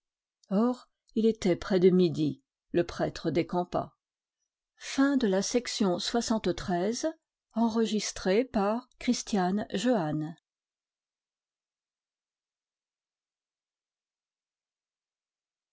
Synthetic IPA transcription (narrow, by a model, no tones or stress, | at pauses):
ɔʁ | ilet̪ɛpχɛd̪əmid̪i | ləpχɛt̪χəd̪ekɑ̃pa̰ | fɛ̃d̪əlasɛksjɔ̃swasɑ̃t̪t̪χɛz | ɑ̃ʁəʒist̪χepaʁkχist̪janʒøan